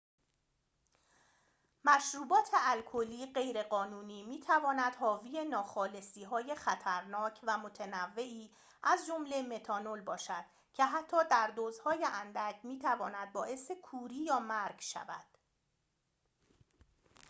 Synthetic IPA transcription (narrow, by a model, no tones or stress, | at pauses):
mæʃɾuːbɒːt̪ʰe̞ʔælkʰoliːɢe̞jɾe̞ɢɒːnuːniːmiːt̪ʰævɒːnæd̪̥hɒːviːje̞nɒːxɒːle̞siːɦɒːje̞xæt̪ʰæɾnɒːcʰvæmot̪ʰenævːe̞ʔiː | ʔæzd͡ʒomle̞me̞t̪ʰɒːno̞lbɒːʃæd̪̥ | cʰe̞ɦæt̪ʰːɒːd̪æɾd̪oːzhɒːjeʔænd̪æcʰmiːt̪ʰævɒːnæd̪̚bɒːʔe̞sekʰuːɾiːjɒːmæɾɡʃæ̰væ̰d̪̥